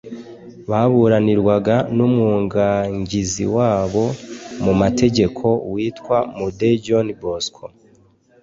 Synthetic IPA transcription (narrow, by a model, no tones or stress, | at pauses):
βaβuɾaniɾwaɡanumuːŋɡaŋɟizḭwaːβo̞mumatʰe̞ɟe̞kʰo̞wiːtkwamuded͡ʒonboskʰo